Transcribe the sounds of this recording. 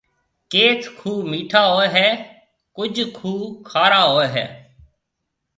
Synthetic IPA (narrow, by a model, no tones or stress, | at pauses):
keːt̪ʰkʰuːmiːʈʰaːɦoːeɦɛː | kʊd͡ʒkʰuːkʰaːɾaːɦoːeːɦɛ̰ː